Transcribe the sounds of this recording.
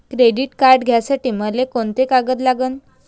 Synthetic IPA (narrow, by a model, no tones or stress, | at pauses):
kɾeɖiːʈkaɾɖɡʱjasaʈiːməlekoɳt̪ekaɡət̪laɡəːn